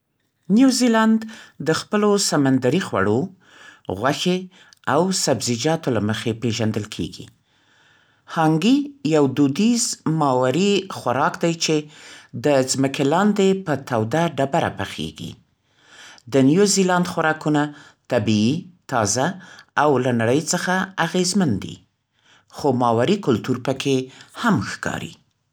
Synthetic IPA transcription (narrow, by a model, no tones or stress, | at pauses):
njuziland̪d̪əxpəlosamand̪aɾixwa̰ɽo | ɣwaxe | awsabzɪd͡ʒɑt̪olaməxepeʒand̪əlkʰḛɡḭ | hɑŋɡijawd̪ud̪izmɑwaɾixwaɾɑkd̪ajt͡ʃed̪əzməkelɑnd̪epət̪ʰawd̪aɖabaɾa̰pəxḛɡḭ | d̪ənjuzilɑnd̪xwaɾɑkunat̪abiit̪ɑzaawlanaɽəjt͡səxaaɣezmand̪ḭ | xomɑwaɾikʊlt̪uɾpəkʰehamxkɑ̰ɾḭ